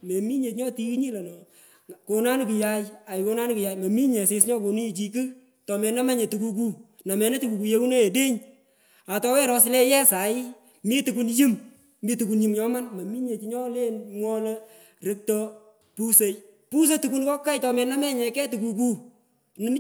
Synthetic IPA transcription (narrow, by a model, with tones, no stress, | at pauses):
me˨mi˦ɲe˨tɲɔ˦ti˧kɲi˦lɛ˨nɔ˨ | ko˧na˦nɪ˦pi˨ja˦ja˨jɪ˨ko˧˦na˦n˦ki˨ja˨jmɐ˨mi˦ɲɛ˨sɪ˧sɲɔ˦ko˨ni˦i˨t͡ʃi˧k̬ɨ˦ | tɔ˨mɛ˨na˦mɛ˦ɲe˨tu˨ku˧k̬u˦ | na˨mɛ˨nɛ˦tu˨ku˨ku˨je˦u˦ne˦e˨de˦ɲ | a˨tɔ˨˦wɛ˦ɾɔ˧sɪ˦lɛ˦jɛ˦sa˨ɪ˦ | mi˦tu˨ku˨˦nji˦m | mi˦tu˨ku˨nji˦mɲɔ˦ma˦nmɐ˨mi˦ɲe˨t͡ʃɲɔ˦le˦nŋwɔ˦lɛ˦ | ɾe˦k̚tɔ˧ | pu˦se˨j | pu˦s̬e˦tu˨ku˦nkɔ˦kːa˦jtɔ˨mɛ˨na˦mɛ˦ɲɛ˨kɛ˦tu˨ku˨k̬u˦ | nɪ˦m˦